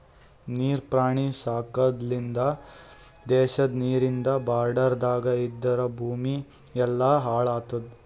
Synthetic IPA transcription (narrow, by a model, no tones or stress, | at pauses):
niːɾpɾaːɳisaːkɐd̪lind̪ɐ | d̪ɛːʃɐd̪niːɾind̪ɐbaːɾɖɐɾd̪aːɡɐid̪ːɐɾɐbʱuːmi | ɛlːɐːɦaːɭaːt̪ɐd̪